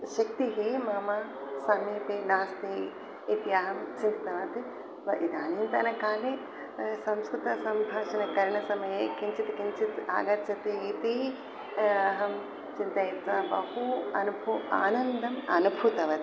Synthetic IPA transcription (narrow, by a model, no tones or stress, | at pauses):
ʃɐk̚t̪iɦeːmaːmaːsɐmiːpenaːst̪iɦe | eːt̪iɐɦɐmt͡ʃint̪it̪ɐʋɐt̪i | ɐʔid̪ʱaːnint̪ɐnɐkaːle | sɐ̃mskɾut̪ɐsɐmb̪ʱaːʃɐnɐkɐɾɐɳɐsɐmɐjekint͡ʃit̪kint͡ʃit̪a̰ːɡɐɾt͡ʃɐt̪ieːt̪i | ɐɦɐm | t͡ʃint̪ɐit̪ʋaːbɐhuɐnubʱua̰ːnɐnd̪ɐmɐ̰nubʱut̪ɐʋɐt̪